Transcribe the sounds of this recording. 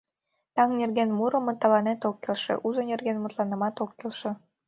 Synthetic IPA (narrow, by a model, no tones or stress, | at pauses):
t̪ɑŋnʲerɣenmuɾə̆mɤ̆t̪ːɑlɑnet̪okːelʃḛʔuʒonerɣenmut̪lɑnə̆mɑt̪okːelʃĕ